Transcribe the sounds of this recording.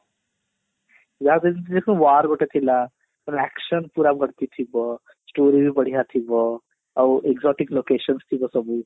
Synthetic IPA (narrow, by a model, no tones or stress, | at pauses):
jad̪eint̪idekʰnũwaɾbɔʈet̪ʰila | kunɛksənpuɾabʱʌɽt̪it̪ʰibʌ | sʈoɾibʱibʌɽ̤jat̪ʰibʌ | ʌwʔekzɔʈiklokesʌnst̪ʰibʌsʌbu